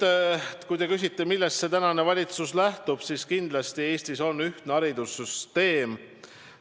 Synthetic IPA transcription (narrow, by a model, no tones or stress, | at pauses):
kujt̪e̞kys̬ʲit̪ˑːe̞milːest̪se̞t̪ænɑne̞vɑlʲit̪suslæht̪ub̥siskind̪̥lɑst̪ie̞ːst̪iso̞nːyht̪neɑɾid̪usːyst̪e̞ːm